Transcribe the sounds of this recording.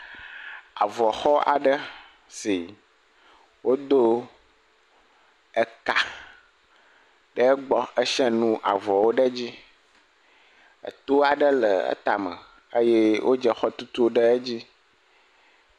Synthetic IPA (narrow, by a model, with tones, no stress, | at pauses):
a̰˨vɔ˨xɔ˦a̰˨ɖə˦ | si˨ | wo˦d̪o˦ | ə˦ka˨ | ɖə˦ɡ͡bɔ˦ə˦ʃɛ˦nũ˦ʔa̰˨vɔ˨wo˦ɖə˦d͡ʑi˦ | ə̰˨t̪o˦a˨ɖə˦lə˨ə̰˦t̪a˨mə̰˨ | ə˦je˦wʔo˦d͡ʒə˨xɔ˦t̪u˦t̪u˦ɖə˦e˦d͡ʑi˦